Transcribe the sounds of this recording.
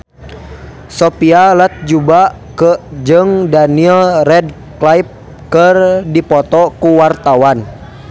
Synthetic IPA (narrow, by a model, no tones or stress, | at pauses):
sopialət̪̚d͡ʒuba | kəd͡ʒəŋdaniɛlrɛd | klaip̚ | kərdipɔt̪ɔkuwart̪awan